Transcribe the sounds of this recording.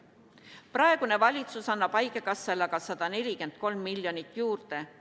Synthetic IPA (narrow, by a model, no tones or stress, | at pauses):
prɑe̞ɡ̥une̞vɑlʲit̪susɑnːɑb̥ɑjɡekɑsːelɑɡ̥ɑsɑd̪̥ɑne̞lʲike̞nd̪̥̚ko̞lmːilʲjo̞nit̪ːˑjuːrt̪e̞